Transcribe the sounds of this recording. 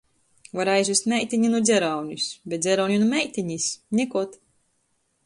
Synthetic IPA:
vaɾajzʲvist̪ʲmʲɛjt̪ʲiɲinud̪zʲɛɾawnʲusbʲeɛt̪̚dzʲɛɾɔwnʲunumʲɛjt̪ʲiɲisɲʲikuɔt̪

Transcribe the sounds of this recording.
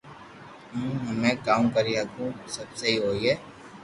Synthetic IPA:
ũːɦɐmẽkaːmkɐɾiɐkũsɐbseɦiɦoːiɦɛː

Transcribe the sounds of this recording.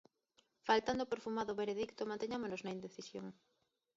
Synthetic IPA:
falt̪and̪opeɾfumaðoβeɾeðikt̪omãnt̪eɲamonoznɐind̪eθisjo̰ŋ

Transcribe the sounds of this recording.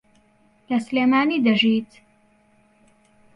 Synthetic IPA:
lɐsleːmaːniːd̪ɐʒit̪

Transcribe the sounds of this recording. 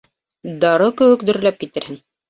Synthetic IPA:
d̪ɑɾɤkɘ̆wɘkd̪ɵ̆ɾlæp̚kit̪ɘ̆ɾhɘŋ

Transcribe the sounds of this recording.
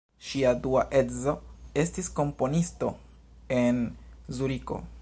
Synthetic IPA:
ʃiaduaʔe̞dzo̞e̞stisko̞mpo̞nisto̞ | enzuɾiko̞̰

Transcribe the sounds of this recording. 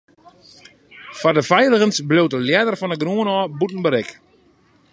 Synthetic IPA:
fardəfɛjləɣənsblowtəljɛdərfɔnəɡruənɔːbutn̩bəɾɪk

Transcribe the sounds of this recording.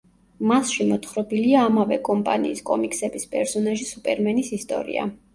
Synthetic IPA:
masʃimɔt̪ʰχɾɔbiliaːmavɛkʼɔmpʼa̰nḭːskʼɔmikʼsɛbispʼɛɾsɔnaʒisupʼɛɾmɛnisist̪ʼɔ̰ɾḭa̰

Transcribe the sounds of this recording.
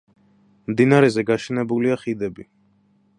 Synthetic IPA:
md̪inaɾɛzɛɡaʃɛnɛbuliaχid̪ɛbi

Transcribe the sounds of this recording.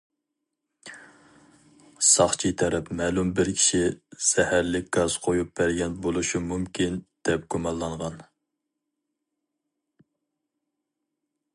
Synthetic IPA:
sɑχt͡ʃʰit̪ʰɛɾɛpmɛːlumbɪɾkʲʰi̥ʃiz̥ɛhæɾlɪk̚ʲɡ̥ɑz̥qʰojup̚bæɾɡʲɛnbolˠuʃumumkʲind̪̥ɛp̚ɡ̥omɑlˠːɑɴʁɑn

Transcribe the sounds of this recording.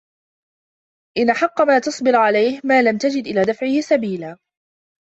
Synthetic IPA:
ʔɪnʔaħɑqːɑmaːt̪ɑsˤbɪɾʕalajhmaːlamt̪ad͡ʒɪd̪ʔɪlaːd̪afʕɪhɪsabiːlaː

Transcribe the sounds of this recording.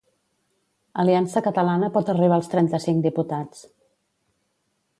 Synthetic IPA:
əliansəkət̪əlanəpɔt̪əriβ̞aːlˠst̪ɾɛnt̪əsiŋkd̪iput̪at͡s

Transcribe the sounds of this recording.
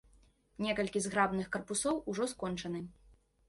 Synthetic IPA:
nʲɛkɐlʲkʲizɣɾabnɨxkɐrpusɔwuʐɔskɔnt͡ʂɐnɨ

